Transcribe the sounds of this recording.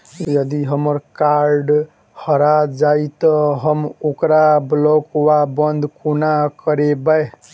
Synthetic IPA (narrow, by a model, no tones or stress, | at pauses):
jʌd̪iɦəmʌɾkaɾɖ | hʌɾad͡ʒait̪ʌɦʌmukɾablokwabʌnd̪ʱkunakʌɾebae